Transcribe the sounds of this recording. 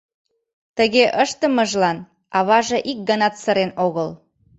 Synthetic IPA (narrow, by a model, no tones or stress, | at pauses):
t̪əɣeʔəʃt̪əməʒlɑn | ɑβɑʒeʔik̚ɡənɑt̪səɾenoɣəl